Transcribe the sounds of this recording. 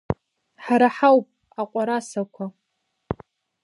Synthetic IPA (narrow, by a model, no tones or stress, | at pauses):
ħaɾaħawpʼ | aqʷʼaɾasakʷʰa